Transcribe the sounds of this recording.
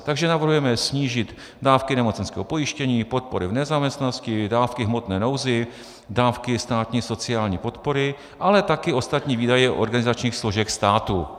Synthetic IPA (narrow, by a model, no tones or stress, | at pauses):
t̪aɡʒɛnavr̩ɦujɛmɛsɲiːʒɪt̪ | daːfkɪnɛmo̞t͡sɛnskɛ̰ːɦopo̞jɪʃcɛɲiːpo̞t̪̚po̞ɾɪvnɛzaːmɲɛst̪nanoscɪdaːfkɪɦmo̞t̪nɛːno̞wzɪ | daːfkɪst̪aːt̪ɲiːso̞t͡sɪaːlɲiːpo̞t̪po̞ɾɪ | ʔalɛt̪akɪo̞st̪at̪ɲiːviːdajɛʔo̞̰ɾɡanɪzat͡ʃɲiːxsloʒɛkst̪aːt̪u